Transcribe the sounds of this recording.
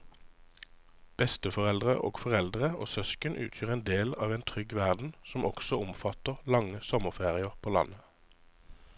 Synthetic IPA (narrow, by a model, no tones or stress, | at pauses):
b̥ɛst̪əfɔʁɛld̪ʁə̰ʔo̰ːɡfɔʁɛld̪ʁəo̰ːsœskənʔʉ̰ːt̪ʰjyːʁeːnd̪eːlɑ̰ːʋeːnt̪ʰʁʏɡʋæʁd̪n̩sɔmɔɡsɔʊmfɑt̪əʁlɑŋəsɔməʁfeːʁɪəʁpʰoːlɑ̰nə